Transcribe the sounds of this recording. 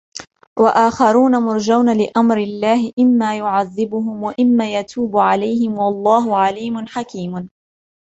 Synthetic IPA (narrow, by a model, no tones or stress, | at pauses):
waʔaːxɑɾuːnamʊɾˤd͡ʒawnalɪʔamɾɪlːaːhɪʔɪmːaːjʊʕaðːɪbʊɦʊmwaʔɪmːaːjat̪ʰuːbʊʕalajhɪmwɑlˤːɑːɦʊʕaliːmʊnħakiːm